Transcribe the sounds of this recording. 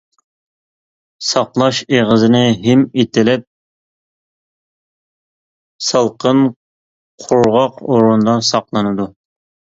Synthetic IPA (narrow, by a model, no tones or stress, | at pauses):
sɑqlˠɑʃeʁəzɨnɪɦɪmet̪ʰɪlɪp̚ | sɑlˠqʰən | qʰoɾʁɑqoɾund̪ɑsɑqlˠɨnɨd̪u